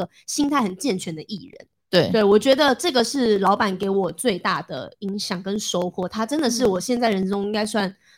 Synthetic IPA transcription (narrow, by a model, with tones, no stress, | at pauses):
ə˨ | ɕi˥nt̪ʰa˥˩ɪxə˨˩nt͡ɕjɛ˥˩nt͡ɕʰɥɛ˧˥nd̪ə˧˩ʔi˥˩ɻə̰˧˦nt̪we˥˩t̪we˥˩ɪwɔ˨˩t͡ɕɥɛ˧˥d̪ə˨ʈ͡ʂɤ˥˩ɡə˩ʂɻ̩˥˩lɑ˧˥ʊpa˨˩nke˧˥ɪwɔ˨˩t͡swe˥˧ɪt̪a˥˩d̪ə̰˩i˧˥ŋɕjɑ˨˩ŋkə˦nʂo˥ʊxwɔ˥˩t̪ʰa˥ʈ͡ʂə˦˥nd̪ə˨ʂ̬ɻ̩˥˩wɔ˨˩ɕjɛ˥˧nt͡sa˥˩ɪɻə˧˥nʈ͡ʂʊ˥ŋi˥ŋka˥ɪswa˥˩n